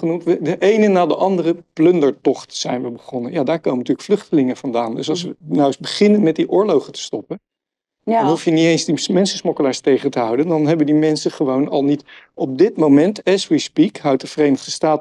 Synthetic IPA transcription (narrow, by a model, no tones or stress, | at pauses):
χənumtʋədəʔejnənaːdəʔɑndərəplɵndəɹtɔχtz̥ɛjnʋəbəχɔnənjaːdaːɹkowməntyːɹləkflɵχtəlɪŋəv̥ɑndaːndɵsɑlˠs̬ʋənawsbəχɪnənmɛt̚diʔʊːɹlowχətə̥stɔpən | ɑnɦufjəniejnzdimɛnsəsmɔkəlaːɹstejχəntəɦɑwdəndɑnɦɛbəndimɛnsəχəʋownɑ̰lˠnitɔp̚dɪtmomɛntɛswispikɦœwt̚dəvərejnəχdəstaːt